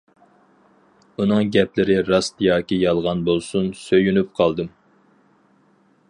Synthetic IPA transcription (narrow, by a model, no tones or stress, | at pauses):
unɨŋɡʲɛplɪɾɪɾɑst̪jɑːkʲijɑlˠʁɑnbolˠsunsøjynyp̚qʰɑlˠd̪ɨm